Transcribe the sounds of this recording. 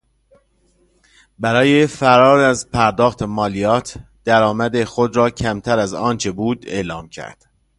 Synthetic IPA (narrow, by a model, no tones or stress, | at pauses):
bæɾɒːjefæɾɒːɾæzpʰæɾd̪ɒːxt̪ʰemɒːlijɒːt̪ʰ | d̪̥æɾɒːmæd̪e̞xod̪ɾɒːcʰæmt̪ʰæɾæzɒːnt͡ʃʰe̞buːd̪e̞ːlɒːmcʰæ̰ɾd̪̥